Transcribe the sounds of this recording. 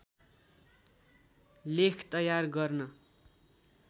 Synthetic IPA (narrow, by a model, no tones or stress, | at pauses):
lekʰt̪ʌjarɡʌrnʌ